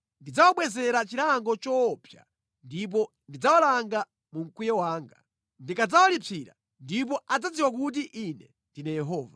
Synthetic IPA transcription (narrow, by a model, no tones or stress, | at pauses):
ndid͡zawaɓwɛzɛɾat͡ʃiɾaŋɡɔt͡ʃɔpʰja̰ | ndip̬ɔ | ndid͡zawalaŋɡa | muŋ̩kujɛwaːŋɡa | ndikad͡zawalipʰiɾa̰ | ndip̬ɔad͡zad͡ziwak̬ut̬iʔinɛ | ndinɛjɛɦɔːva